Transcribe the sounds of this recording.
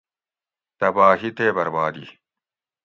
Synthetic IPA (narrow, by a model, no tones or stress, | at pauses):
t̪ɐbaːɦit̪eːbɐɾbaːd̪i